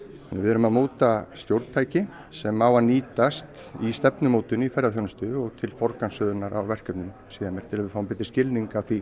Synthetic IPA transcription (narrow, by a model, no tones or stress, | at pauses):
ɛnvɪ̰ɛɾʏmaðmoːwt̪ast̪jowɾt̪t̪ʰaːjcɪ | sɛmawvaniːt̪ast̪ | ist̪ɛpnʏmoːwt̪ʏnifɛɾðaθjownst̪ʏɔɣt̪ʰɪlfɔɾkansœːðʏnaɾʔa̰wvɛr̥cœp̪nʏm | siːðamjɛːɾ̥t̪ʰɪlavɪɾ̥fawmpɪːt̪̬ɪ̥scɪlniŋkaθi